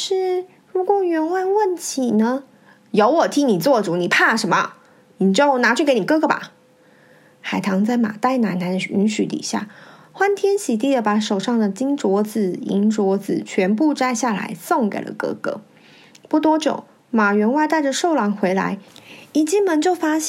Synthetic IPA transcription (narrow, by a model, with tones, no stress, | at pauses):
ʂɻ̩˥˩ | ɻu˧˥kwɔ˨˩ɥɛ˧˥nwa˥˧nwə˥˩ntʰi˨˩nə˧ | jo˧˥ʊwɔ˨˩t̪ʰi˥ŋni˨˩t͡swɔ˥˩ʈ͡ʂu˨˩˦ni˨˩pʰa˥˩ʂə˧˥nmə̰˨ | ni˨˩t͡ɕjo˥˩ʊna˧˥t͡ɕʰy˥˩ke˧˥ɪni˨˩kɤ˥ɡɤ˧ba̰˨˩ | xa˨˩ɪt̪ʰɑ˧˥ŋt͡sa˥˩ɪma̰˨˩t̪a˥˩ɪna˧˥nna˧˥ny˧˥nɕy˧˦t̪ḭ˨˩ɕja̰˥˩ | xwa˥nt̪ʰjɛ˥nɕi˨˩t̪i˥˩ə˩pa˧˥ʂo˨˩ʊʂɑ˥˩ŋd̪ə˨t͡ɕi˥ŋʈ͡ʂwɔ˧˥d͡zɹ̩˨˩ḭ˧˥nʈ͡ʂwɔ˧˥d͡zɹ̩˨˩t͡ɕʰɥɛ˧˥np̬u˥˧ʈ͡ʂa˥˧ɪɕja˥˩la̰˧˥ɪso˥˧˩ŋkḛ˨˩ɪlə̰˦kɤ̰˥ɡɤ̰˥˧˦ | pu˥˩t̪wɔ˥t͡ɕjo̰˨˩ʊ | ma˨˩ɥɛ˧˥nwa˥˧t̪a˥˩ɪʈ͡ʂə˨˩ʂo˥˩ʊlɑ˧˥ŋxwe˧˥ɪla̰˧˥ɪi˨˩t͡ɕi˥mə˧˥nt͡ɕjo˥˩ʊfa˥ɕ